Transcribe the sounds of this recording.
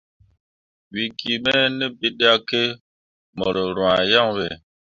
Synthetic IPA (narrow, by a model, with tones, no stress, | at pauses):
wi˨ki˨mɛ˦nɛ˦bi˦ɗa˦ke˦ | mɔ˨ɾo˨ɾwã˨ja˦˨ŋwe˨